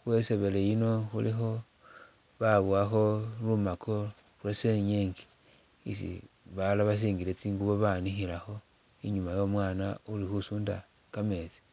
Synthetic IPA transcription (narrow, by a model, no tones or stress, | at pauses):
xwe̞se̞βe̞le̞ino̞xulixo̞ | βaβwaxo̞lumakʰo̞ | ɾweseɲeŋɡi̥ | isḭβalaβas̬iːŋɡilet͡siːŋɡuβo̞βanixilaxo̞ | iɲumajo̞mwaːnaulixusuːnda̰ | kame̞t͡si̥